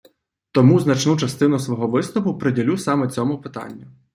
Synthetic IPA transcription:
t̪ɔmuznɐt͡ʃnut͡ʃɐst̪ɪnʊsʋɔɦɔʋɪsnɔpʊpɾɪdʲilʲusɑmɛt͡sʲɔmʊpɪt̪ɑ̰nʲːɐ

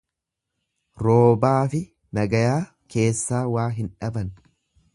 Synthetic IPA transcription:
ɾo̞ːbaːfɪ | nɐɡɐjaː | kʰe̞ːsːaːwaːɦɪnᶑɐbɐn

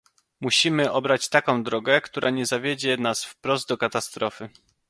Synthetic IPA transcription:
muɕimɘʔɔbɾat͡ɕt̪akɔ̃w̃d̪ɾɔɡɛkt̪uɾʔaɲɛzavʲjed͡ʑɛnasfpɾɔzd̪̚d̪ɔkat̪ast̪ɾɔfɘ

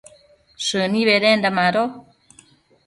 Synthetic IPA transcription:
ʃɨniβeɾendamaɾo

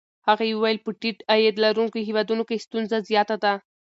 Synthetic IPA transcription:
haɣajewəwajɪlpəʈiʈajed̪laɾuŋkoɦewɑd̪unokejst̪unzazjɑt̪ad̪a

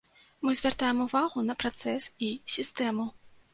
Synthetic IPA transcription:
mɨzʲvʲart̪ajɛmuvaɣunɐpɾat̪sɛsisʲist̪ɛmu

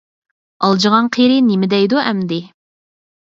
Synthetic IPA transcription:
ɑlˠd͡ʒəʁɑnqʰeɾɪnɪmɪd̪ɛjd̪uɛmd̪ɪ

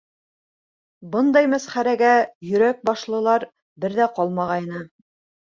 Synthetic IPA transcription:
bɤnd̪ɑjmæsχæɾæɡæjɵ̆ɾæk̚bɑʃlˠɤ̆lˠɑɾ | bɘɾðæqɑlˠmɑʁɑjnɤ

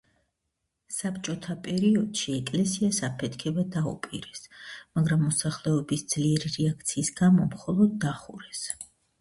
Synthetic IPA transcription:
sapt͡ʃʼɔt̪ʰapʼɛɾiɔd̪̥ʃiɛkʼlɛsiasapʰɛt̪ʰkʰɛbad̪aṵpʼiɾɛsmaɡɾamːɔsaχlɛɔbisd̪z̥liɛɾiɾɛak̚ʰt̪sʰiːsɡamɔmχɔlˠɔd̪̚ːaχuɾɛs

